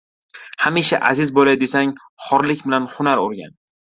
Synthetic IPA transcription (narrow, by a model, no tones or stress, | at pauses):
hamiʃa̰ʔazɪzbolajd̪e̞saŋ | χɒɾlɪkʲbɪlanhʊnaɾoɾɡʲa̰n